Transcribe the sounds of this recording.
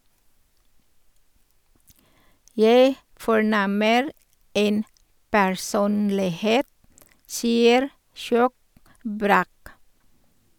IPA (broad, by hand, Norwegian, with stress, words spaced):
ˈjæɪ fɔˈɳɛməɾ ˈeːn pæɹˈsuːnlɪˌheːt ˈsiːəɾ ˈʃjoːk ˈbɾæːk